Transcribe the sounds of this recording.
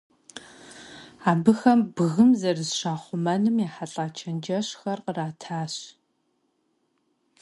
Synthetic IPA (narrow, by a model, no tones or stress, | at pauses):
aːbɨxɐmbɨɣɨmzɐrɨzʃaːχʷʊmɐnɨmjaːħaɬʼaːt͡ʃʰɐnd͡ʒɐɕxɐrqəraːtʰaːɕ